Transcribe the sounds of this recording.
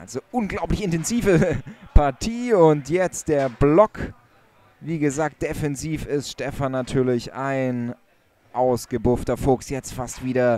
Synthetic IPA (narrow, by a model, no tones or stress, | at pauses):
ʔa̰lzoʔʊnɡlaʊplɪçɪntɛnziːvəpʰaɐtʰiːʊntjɛt͡std̥eːɐblɔk | viːɡəzaːk̚t̚d̥efɛnziːfɪstʃtɛfanːatʰyːɐlɪça̰ɪn | ʔaʊsɡ̥əbʊftɐfoːksjɛt͡stfastv̥iːɾɐ